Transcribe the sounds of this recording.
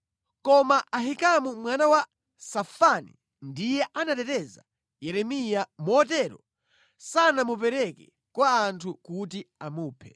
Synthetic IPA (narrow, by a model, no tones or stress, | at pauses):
kɔmaʔaɦikamumwanawa | safanḭ | ndijɛʔanatɛtɛza | jɛɾɛmijamɔːtɛɾɔ̰ | sanamup̬ɛɾɛkɛ | kwaːntʰukutiamuːpʰɛ̥